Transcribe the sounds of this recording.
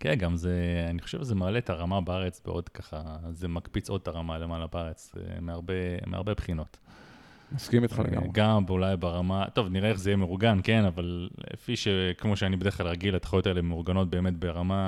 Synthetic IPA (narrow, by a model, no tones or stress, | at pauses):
kenɡamzeaniχoʃevʃezemaːlet̪ʰaʁamabaaʁet͡sbeʔo̞dkaχazemakpit͡so̞d̚taʁamalemaːlabaaʁet͡smeaʁbemea̰ʁbe̞pχino̞t | maskimit̪a̰lḛɡa̰ɡambulajbaʁamat̪o̞vniʁeeχzejemeʁuɡanke̞navalḛfiʃekmo̞ʃeanibede̞klalʁaɡilat̪ḁχjotaelebmeʁɡano̞t̚be̞ːme̞tbeʁama